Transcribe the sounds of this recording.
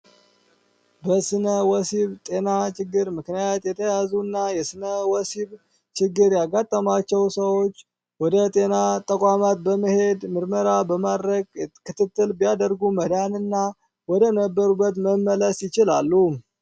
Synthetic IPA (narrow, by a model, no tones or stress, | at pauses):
bəsɨnəwɔsiβt̪ʼe̞nat͡ʃɪɡːɨɾmɨknijat̪jɛt̪ʰəjazunːajɛsɨnəwɔsiβ | t͡ʃɪɡːɨɾjaɡat̪ʼːəmat͡ʃːɛwsəwo̞t͡ʃː | wɔd̪ət̪ʼe̞nat̪ʼəkʼamat̪̚bəməhe̞d̪mɨɾməɾabəmad̪ɾəɡkɨt̪ʰɨt̪ːɨlbijad̪əɾɡuməd̪anɨnːa | wɔd̪ənəbːəɾubːət̪məmːələsjɪt͡ʃɪlalːu